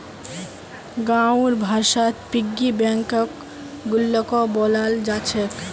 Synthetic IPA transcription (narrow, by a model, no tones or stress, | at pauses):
ɡawɾbʱaɾʃat̪piɡːibɛŋkɔk | ɡulːɔkɔbɔlald͡ʑat͡ɕʰek